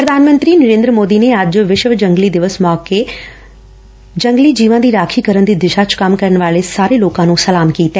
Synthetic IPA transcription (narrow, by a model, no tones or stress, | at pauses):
pɾəd̪ʱaːnmə̃nt̪ɾiːnəɾẽːnd̪ɾəmoːd̪iːneəd͡ʒʋɪʃʋd͡ʒəŋɡliːd̪ɪʋəsmɔːke | d͡ʒə̃ŋɡliːd͡ʒiːʋãd̪iːɾaːkʰiːkəɾənd̪iːd̪ɪʃat͡ʃkɐmkəɾənʋaːlesaːɾeloːkãːnũːsəlaːmkiːt̪ɛː